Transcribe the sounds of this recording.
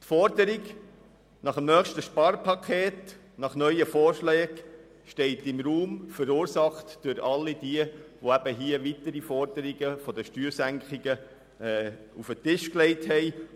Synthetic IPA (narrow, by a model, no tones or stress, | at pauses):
tfɔɾdəɾiɡ | nɑχəmnœːχʃtəʃpɑɾpʰɑkʰeːt | nɑχnœʏəfɔːɾʃlɛːɡ | ʃtɛɪtɪmɾuːmfəɾuːɾsɑχtd̥ʏɾɑlːid̥iəʋoæb̥əɦiəʋitəɾifɔɾd̥əɾiɡəfɔdəʃtyːɾsæŋkχɪɡə | ɛ | ufətɪʃklɛɪthɛɪ